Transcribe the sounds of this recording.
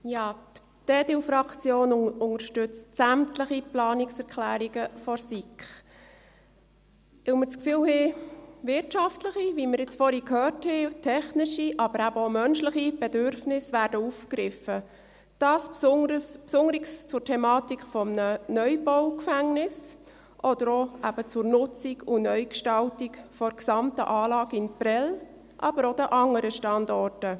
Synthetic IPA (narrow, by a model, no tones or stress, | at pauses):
jɑːt̪ | tɛːdɪfɾɑkt͡sjoːnʊŋəɾʃtʏt͡stsæmtləχiplɑːnɪksɛɾkʰlæːɾiɡəfɔɾsikχ | ɪʊmət͡skfyːlhɛvɪɾtʃɑftləχiʋiməɾɪt͡sfɔɾhikʰøːrthɛtʰɛχnɪʃiʔɑbəɾæbəomœnʃləχib̥edøɾfnɪsʋæːɾdəufkɾɪfə | d̥ɑːssʊəspsʊŋəɾikst͡sʊrtʰɛmɑːtikχfɔmnənœʏbɔwkfæŋnɪs | ʔɔd̥̪əɾoʔæb̥ət͡sʊɾnʊt͡siɡʊnœʏkʃtɑltikfɔɾksɑmtə̰ʔɑːlɑːɡɪnpɾɛl | ʔɑb̥əɾod̥̪əʔɑŋːəɾəʃtɑndɔrtə